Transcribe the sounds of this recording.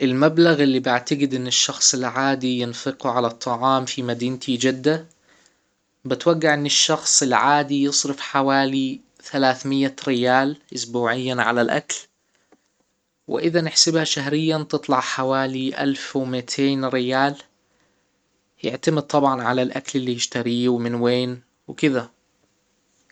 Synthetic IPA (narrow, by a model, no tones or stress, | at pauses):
ʔɪlmablaɣɪlːibɪʕt̪aɡɪd̪ʔɪnːɪʃːɑxsˤɪlʕaːd̪ijɪnfɨqʕalat̪ˤːɑʕɑːmfimad̪iːnt̪ʰid͡ʒad̪ːa | bɪt̪waɡːɪʕʔɪnːɪʃːɑxsˤɪlʕaːd̪ijɨsˤɾɪfħawaːli | θalaːθmɪjːaɾɪjaːlʔʊsbuːʕɪjːanʕa̰lalʔa̰kl | wɪ̰ʔɪðanɪħsɪbhaʃaɦɾɪjːant̪ɨt̪ˤlɑʕħawaːliʔa̰lfwmɪt̪ʰeːnɾɪjaːl | jɪ̰ʕt̪amɪd̪̚t̪ˤɑbʕɑnʕalalʔaklɪlːijɪʃt̪aɾiːwmɪnweːn | wɪkɪða